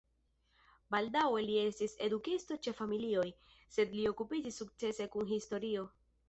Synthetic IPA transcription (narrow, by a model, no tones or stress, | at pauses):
baldawe̞lie̞stise̞dukisto̞t͡ʃe̞familio̞j | se̞dlio̞kupid͡ʒisːuk̚t͡se̞se̞kunɦisto̞ɾio̞